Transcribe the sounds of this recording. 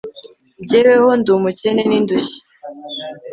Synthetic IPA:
bɟewehondumuceneninduçi̥

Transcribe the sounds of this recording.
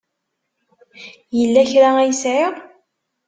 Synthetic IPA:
jəlːæçɾaæjəsʕɪɾˤ

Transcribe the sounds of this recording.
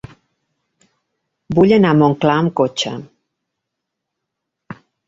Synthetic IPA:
buʎenamoŋklaəmkot͡ʃə̰

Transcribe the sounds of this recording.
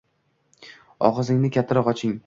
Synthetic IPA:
ɒ̰ʁɨzɪŋnɪkʲʰat̪ʰːaɾɒqɒt͡ʃʰɪŋ

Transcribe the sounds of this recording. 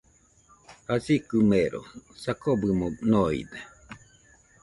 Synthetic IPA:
hasikɨmeɾʔo̰sakobɯmonoḭd̪e

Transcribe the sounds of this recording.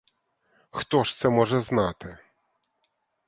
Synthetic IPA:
xt̪ɔʂt̪sɛmɔʐɛznat̪ɘ

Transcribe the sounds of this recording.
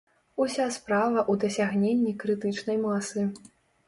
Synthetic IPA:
usʲaspɾavɐʔud̪ɐsʲaɣnʲenʲːikɾɨt̪ɨt͡ʂnɐjmasɨ

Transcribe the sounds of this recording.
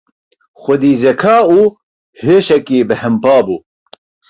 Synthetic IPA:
xʷɐd̪iːzɛkʰaːuː | heːʃɛkiːbɨhɛmpaːbuː

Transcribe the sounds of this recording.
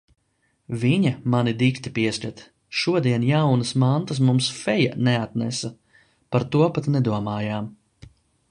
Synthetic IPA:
viɲɐmanid̪ikt̪ipiɛsʲlʲɛt̪ | ʃuɔd̪iɛnjawnɐsmant̪as̬mumsfɛjaneat̪nɛ̰sɐ | paɾt̪uɔpat̪nɛd̪uɔmaːjaːm

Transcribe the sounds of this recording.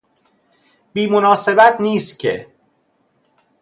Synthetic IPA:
b̥iːmonɒːse̞bæt̪ʰniːst̪̚cʰḛ

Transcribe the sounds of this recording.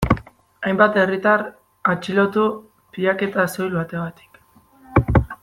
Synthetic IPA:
ajmbat̪e̞rit̪ar | at͡ʃilo̞t̪u | piʎake̞t̪aso̞jlβat̪e̞ɣat̪i̥k

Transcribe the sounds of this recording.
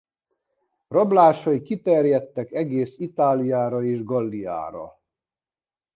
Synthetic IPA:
rɒblaːʃɒikit̪ɛrjɛt̪ːɛkɛɡeːsit̪aːlijaːɾɒeːʒɡɒlːija̰ːɾɒ̰

